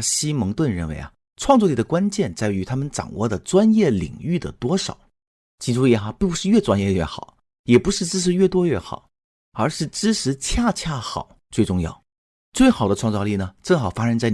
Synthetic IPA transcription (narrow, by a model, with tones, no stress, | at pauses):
ɕi˥mɤ˧˥ŋt̪wə˥˧nɻə˥˩nwe˧˥ɪa̰˥˩ | ʈ͡ʂʰwɑ˥˧ŋt͡swɔ˥˩li˥˩d̪ə˩kwa˥nt͡ɕjɛ˥˧nt͡sa˥˩ɪy˧˥t̪ʰa˥mə˨nʈ͡ʂɑ̰˨˩ŋwɔ̰˥˩d̪ə˩ʈ͡ʂwa˥njɛ˥˩lḭ˨˩ŋy˥˩d̪ə̰˩t̪wɔ˥ʂɑ̰˨˩˦ʊ | t͡ɕi˥˩ʈ͡ʂu˥jɛ˧˥˩xa˧˥pi˥˩ŋpu˧˥ʂɻ̩˥˧ɥɛ˥˩t͡swa˥njɛ˥˧ɥɛ̰˥˩xɑ˨˩˦ | jɛ˨˩pu˧˥ʂɻ̩˥˧ʈ͡ʂɻ̩˥ʂ̬ɻ̩˧˥ɥɛ˥˩t̪wɔ˥ɥɛ˥˩xɑ̰˨˩˦ʊ | ə˞˧˥ʂɻ̩˥˩ʈ͡ʂɻ̩˥ʂɻ̩˧˥t͡ɕʰja˥˧t͡ɕʰja˥˩xɑ̰˨˩˦ʊt͡swe˥˧ɪʈ͡ʂʊ˥˧ŋjɑ̰˥˩ʊ | t͡swe˥˩ɪxɑ˨˩ʊd̪ə˦ʈ͡ʂʰwɑ˥˧ŋt͡sɑ˧li˥˩nə˩ʈ͡ʂɤ˥˩ŋxɑ˨˩ʊfa˥ʂə˥nt͡sa˥˧ɪ